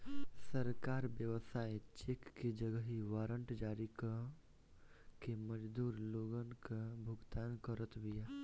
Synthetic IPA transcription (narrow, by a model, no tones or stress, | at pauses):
səɾkaːɾʋjəʋsaːet͡ʃeːkːed͡ʒəɡəɦiʋaːɾə̃ɳʈd͡ʒaːɾik | keməd͡ʒd̪uːɾloːɡənkabʱʊɡt̪aːnkəɾət̪bija